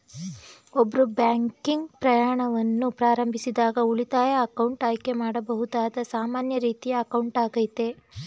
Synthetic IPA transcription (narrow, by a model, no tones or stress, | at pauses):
obːɐɾubjaːŋkiŋɡpɾɐjaːɳɐʋɐnːupɾaːɾɐmbʱisid̪aːɡɐuɭit̪aːjɐːkɐwɳʈaːjke̞maːɽɐbɐɦud̪aːd̪ɐsaːmaːnjɐɾiːt̪ijɐːkɐwɳʈaːɡɐjt̪e̞